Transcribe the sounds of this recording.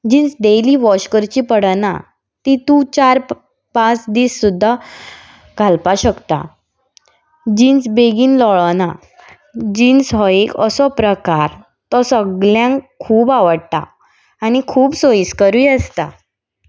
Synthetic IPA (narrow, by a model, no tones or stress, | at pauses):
d͡ʑĩnt͡sɖeliːʋɔɕkəɾt͡ɕipəɽna̰ | t̪it̪ũt͡ɕaɾ | pãt͡sd̪iːsːud̪ʱːa | ɡʱalpaɕəkt̪a̰ | d͡ʑĩːnt͡sbeɡiːnlɔɭna | d͡ʑiːnsɦɔikəsɔpɾəkaɾ | t̪ɔsəɡljãŋkʰuːbaʋəɽt̪a̰ː | ñikʰuːbsoiskəɾujəst̪a